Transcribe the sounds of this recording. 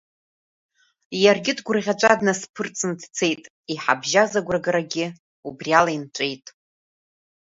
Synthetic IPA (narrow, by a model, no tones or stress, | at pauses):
jarɡʲɪdɡʷʊrʁʲat͡ʃʷʼadnaspʰɨrt͡sʼɨndt͡sʰe̞jtʼ | iħa̰bʒazaɡʷraɡaɾaɡʲɪ | ubrialaint͡ʃʷʼe̞jtʼ